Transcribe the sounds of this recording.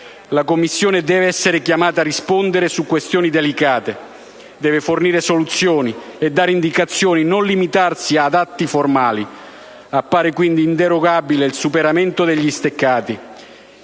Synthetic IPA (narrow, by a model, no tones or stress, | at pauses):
lakomːisːjoːned̪ɛːveɛsːeɾekjamaːt̪arispond̪eɾesukːwest̪jɔːnid̪elikaːt̪e | d̪ɛːveforniːɾesolut̪sːjɔːniɛd̪ːaːɾeind̪ikat̪sːjɔːninonlimit̪arsiad̪at̪ːiformaːli | apːaːɾekwind̪iːnt̪eɾoɡabileilsupeɾament̪od̪eʎːist̪ekːaːt̪i